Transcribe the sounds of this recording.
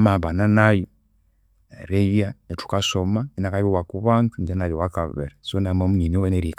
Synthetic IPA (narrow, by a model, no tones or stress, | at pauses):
maβananajo | ɾejanetu̥kasomainakajowakuβantund͡ʒenajowakaβḛɾasonamomuɲiniweneɾik